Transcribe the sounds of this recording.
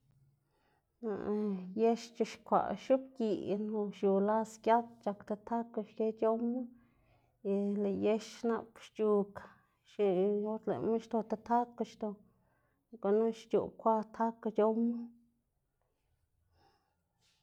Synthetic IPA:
na̰˧˨je˦ʃt͡ʃu˧ʃkʷa̰˨ʃu˦pki˨no˧ʃju˨la˦skʲja˦t̪t͡ʃa˧kt̪a˧t̪ʰa˦ka˧ʃke˦t͡ʃo˦ma˦ | i˧le˧˨je˦ʃʃna̰˧pʃt͡ʃu˧ka˨ | ʃi˧jo˦t̪lḛ˨me˦ʃt̪o˧t̪a˧t̪ʰa˦ka˧ʃd̪o˧ | ko˧nu˦ʃt͡ʃṵ˨kʷa˦t̪ʰa˦ka˧t͡ʃo˦ma˦

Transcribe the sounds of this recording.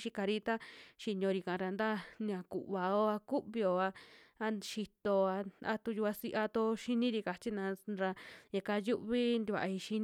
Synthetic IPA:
ʃi˧ka˧ɾi˦t̪a˦ʃi˧ɲõ˧ɾi˧ka˨ʔã˨˧ɾa˧nd̪a˦n˧ã˨kṵ˨ʔβa˨o˦a˧ku˦ʔβi˧o˧˨a˧a˦ʃi˧t̪o˧a˧a̰˧t̪u˧ju˧a˧si˧ʔa˧t̪o˧ʃi˦nĩ˦ɾi˧ka˨t͡ʃi˦nã˧ɾa˧e˧ka˧ju˦ʔβi˦nd̪i˧βa̰˨ʔi˧ʃi˧˦n

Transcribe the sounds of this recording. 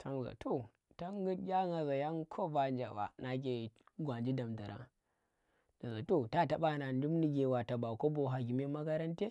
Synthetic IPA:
tʰa˦ŋ˨ɡa̰˨tʰo˨ | ta˦ŋɡɨ˦tɡʲa˦ŋa˨za˨ja˦ŋkʰo˦va˦˨nd͡ʒa̰˨ba̰˨na˨k̬ʲe˨ɡʷa˨nd͡ʒi˦da˨mda˨ɾʔa̰˦ | na˨za˨to˦ta˦ta˨ɓa˦˨na˨ndu˦mni˦ɡʲe˨wa˨ta˨ba˨ko˦bo˨ɦa˨ɡʲi˨me˦ma˦ka˦ɾa˦nte˦

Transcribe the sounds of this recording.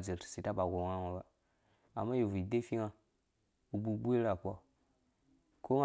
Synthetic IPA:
d͡ze˨ɾsi˨ta˦ba˨ɡo˨ŋa˦ŋa˨ba˨ | a̰˨mːa˦ji˨vu˨i˨de˦fi˦ŋa˦ | u˨bu˦bu˦e˦ɾa˨k͡pʷa˨ | ko˦ŋa˦

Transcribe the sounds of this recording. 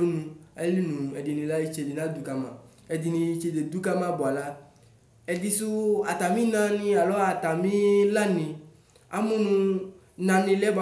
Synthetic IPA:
o˦nũ˨a˦li˦nũ˨ɛ˨di˨nĩ˨la˦ji˦t͡ʃe˨di˨nã˦d̪u˨ka˦mã̰˨ | ɛ˨d̪i˨nĩ˧˦t͡ʃe˨de˨d̪u˦ka˦mã˦bɔ˨a˨la˦ | ɛ˨d̪i˨su˦a˨t̪a˨mĩ˦nã˦nĩ˦a˨lɔ˦a˨t̪a˨mĩ˦la˦nɪ̃˨ | a̰˦mũ˦nũ˦ | nã˨nɪ̃˨lɛ˦b

